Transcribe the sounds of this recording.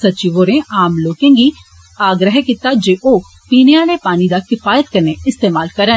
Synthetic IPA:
sətːt͡ʃiʋoːɾẽːaːmloːkẽːɡiː | aːɡɾəɦkɪt̪aːd͡ʒeːʔoː | piːneaːlepaːnid̪aːkɪfaːjət̪̚kəɾneɪst̪eːmaːlkəɾən

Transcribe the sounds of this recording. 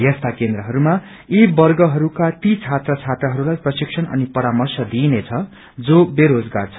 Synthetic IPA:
jʌst̪ʰakend̪rʌɦʌɾuma | ibʌrɡʌɦʌɾukat̪it͡sʰat̪rʌt͡sʰat̪rʌɦʌɾulajprʌsiksʰʌnʌ̰nipʌɾamʌrsʌd̪inet͡sʰʌ | d͡zobeɾod͡zɡart͡sʰʌ̥

